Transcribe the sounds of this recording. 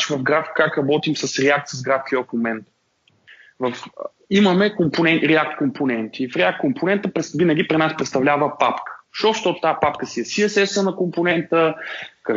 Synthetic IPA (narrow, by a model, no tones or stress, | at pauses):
t͡ʃivɐvɡɾafkakɾɐbɔt̪imsɐsɾɛak̚t̪səzɡɾafkiəfmomɛnt̪ | vɐf | iməmɛkomponɛnɾɛak̚t̪komponɛnt̪iːfɾɛakt̪̚kompʰonɛnt̪əpɾɛsvinəɡ̟ipɾinaspɾɛt̪st̪ɐvlʲavəpapkə̥ʃoʃt̪ot̪t̪apapkəsiɛsiɛsɛsənɐkomponɛnt̪əkɐ